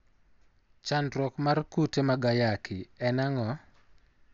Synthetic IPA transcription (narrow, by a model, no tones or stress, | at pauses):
t͡ʃandɾɔkmarkutemaɡajakʰɪɛnaŋɔ